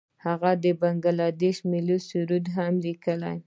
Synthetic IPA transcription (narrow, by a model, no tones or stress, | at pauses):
haɣad̪əbaŋɡalɑd̪eʃmilusuɾud̪ɦamlikəla̰j